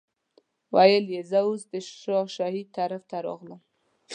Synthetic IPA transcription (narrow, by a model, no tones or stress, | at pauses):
wajəljezauzd̪əʃʃoʃahid̪̚t̪aɾaft̪ʰaɾɑ̰ɣləm